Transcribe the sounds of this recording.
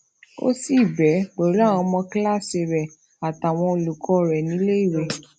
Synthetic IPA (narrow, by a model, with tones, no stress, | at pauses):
o̰˦si˦˨bɛ˨˦ɡ͡bɔ˨˦ɾw̃ɔ̃˧mɔ̃˧kla˦˨se˧˨ɾɛ˨ | a˨ta˨w̃ɔ̃˧o˧lu˨kʰɔ˧ɾɛ˨nĩ˨˦le˦i˦˨ɾe˧˦